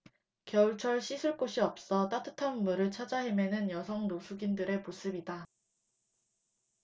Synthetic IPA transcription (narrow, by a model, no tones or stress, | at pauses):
kjʌuɭt͡ɕʰʌɭɕʰisʰuɭk͈oɕʰiʌp̚s͈ʌt͈at͈ʰɯ̥tʰanmuɾɯɭt͡ɕʰad͡ʑaɦemjenɯnjʌsʰʌŋnosʰuɡindɯɾe̞mos͈ʰɯbida